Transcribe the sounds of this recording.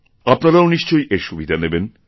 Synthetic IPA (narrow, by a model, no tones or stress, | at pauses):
apnaɾaoniʃt͡ɕojʔeɾʃubid̪ʱaneben